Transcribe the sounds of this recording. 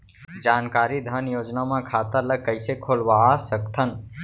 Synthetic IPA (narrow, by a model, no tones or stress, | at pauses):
d͡ʒaːnkaːɾid̪ʱaːnjoːd͡ʒnamãkʰat̪əɾləɡ̚kːəɪsekʰolʋasəkt̪ʰən